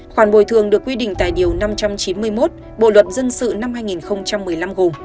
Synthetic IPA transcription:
xwaː˧˩nɓo̰˧˩jt̪ʰɨ˨˩əŋɗɨ˨˩əkːwi˧ɗḭ˧˨ŋ̟t̪a̰ː˧˨jɗi˨˩əwna˧mt͡ɕa˧mt͡ɕi˨˦nmɨ˧əjmo˦˥t̚ | ɓo̰˧˨lwə˨˩t̚zə˧nsɨ̰˧˨na˧mhaː˧jŋi˨˩nxə˧wŋ͡mt͡ɕa˧mːɨ˨˩əjla˧mɣo˨˩m

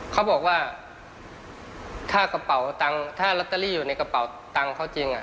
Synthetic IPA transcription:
kʰa˦˥wbɔː˨˩k̚waː˥˩ | t̪ʰaː˥˩ka˧pa˩˦wt̪a˧ŋt̪ʰaː˥˩la˦˥p̚t̪ːa˧liː˥˩juː˨˩na˧jka˧pa˩˦w | t̪a˧ŋkʰa˦˥˩wt͡ɕi˧ŋʔa˨˩

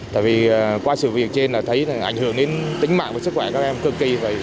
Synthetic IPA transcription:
t̪a̰ː˧˨jvi˨˩əː˨˩kwaː˧sɨ̰˧˨vi˨˩ək̚t͡ɕe˧nlaː˨˩t̪ʰə˨˦jʔa̰˧˩jŋ̟hɨ˧˩˨əŋɗe˨˦nt̪ï˨˦ŋ̟ma̰ː˧˨ŋvəː˨˩sɨ˦˥kxwɛ˧˩kaː˦˥k̚ʔɛ˧mkɨ˧ki˧˩və˨˩j

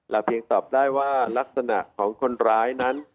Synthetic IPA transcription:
lɛ˦˩pʰi˧əŋt̪ɔː˨˩p̚daː˥˩jwaː˥˩la˦˥k̚sa˧na̰˨˩ʔkʰɔː˩˦ŋkʰo˧nɾaː˦˥jna˦˥n

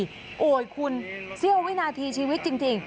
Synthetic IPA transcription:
ʔoː˨˩jkʰu˧nsi˥˩əwi˦˥naː˧t̪ʰiː˧t͡ɕʰiː˧wi˦˥t̪̚t͡ɕi˧ŋt͡ɕi˧ŋ

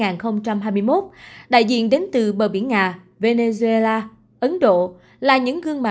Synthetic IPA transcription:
ŋaː˨˩nxə˧wŋ͡mt͡ɕa˧mɦaː˧jmɨ˧jmo˦˥t̚ɗa̰ː˧˨jzḭ˧˨ənɗe˨˦nt̪ɨ˨˩ɓə̰˧˨˩ɓḭ˧˩ənŋaː˨˩ | ve˧ne˧zu˧e˧laː˧ | ʔə˨˦nɗo̰˧˨ | laː˨˩ɲɨ̰˧˥ŋɣɨ˧əŋma˨

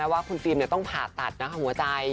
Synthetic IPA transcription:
ɛ˦˥waː˥˩kʰu˧nfiː˧mni˥˩t̪ɔ˥˩ŋpʰaː˨˩t̪ːa̰˨˩t̪̚na˦˥kʰa˧˥˩hu˩˦ɐt͡ɕa˧j

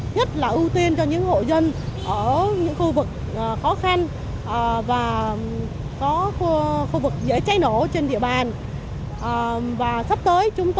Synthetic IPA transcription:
ɲə˦˥t̚laː˨˩ʔu˧t̪i˧ənt͡ɕɔ˧ɲɨ̰˧˥ŋho̰˧˨zə˧nʔəː˧˩ɲɨ̰˧˥ŋxu˧vɨ˨˩k̚ʔəː˨˩xɔ˨˦xa˧n | ʔəː˨˩vaː˨˩ | kɔ˨˦xu˧xu˧vɨ˨˩k̚zḛ˧˥t͡ɕa˨˦jno˧˩t͡ɕe˧nɗḭ˧˨əɓaː˨˩n | ʔəː˨˩vaː˨˩sa˦˥p̚t̪əː˨˦jt͡ɕʊ˨˦ŋ͡mt̪

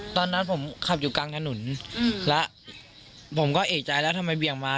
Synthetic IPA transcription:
t̪ɔː˧nːa˦˥pʰo˩˦mkʰa˨˩p̚juː˨˩kaː˧ŋt̪ʰa˧nu˩˦nlɛ˦˥ʔ | pʰo˩˦mkɔː˥˩ʔeː˨˩t͡ɕa˧jlɛː˦˥wt̪ʰa˧ma˧jbi˨˩əŋmaː˧

